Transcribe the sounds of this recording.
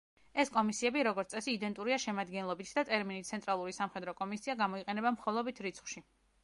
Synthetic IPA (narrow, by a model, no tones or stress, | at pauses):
ɛskʼɔmisiɛbiɾɔɡɔɾt̪ʼɛsiːd̪ɛnt̪ʼuɾiaʃɛmad̪ɡɛnlˠɔbit̪ʰd̪at̪ʼɛɾminit̪sʰɛnt̪ʼɾalˠuɾisamχɛd̪ɾɔkʼɔmisiaɡamɔiqʼɛnɛbamχɔlˠɔbit̪ʰɾit̪sʰχwʃi